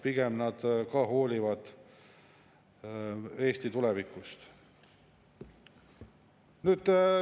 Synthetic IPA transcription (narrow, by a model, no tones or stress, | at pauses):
piɡ̥emnɑd̪̥kɑːɦo̞ːlʲivɑd̪̥ | e̞ːst̪it̪ulɛvikˑust̪ | nyːd̪̥